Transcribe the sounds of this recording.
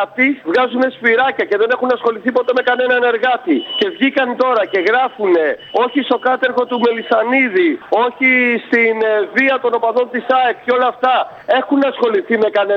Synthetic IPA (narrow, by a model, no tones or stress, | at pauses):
ɐt̪ivɣɐzune̞spiɾɐcɐce̞ðe̞ne̞xunɐsxo̞liθipo̞t̪e̞me̞kɐne̞nɐne̞ɾɣɐt̪ice̞vʝikɐnt̪o̞ɾɐce̞ɣɾɐfune̞o̞çist̪o̞kɐt̪e̞ɾɣo̞t̪ume̞lisɐniðio̞çist̪inviɐt̪o̞no̞pɐðo̞nt̪isɐekceo̞lɐːft̪ɐ | e̞xunɐsxo̞liθime̞kɐne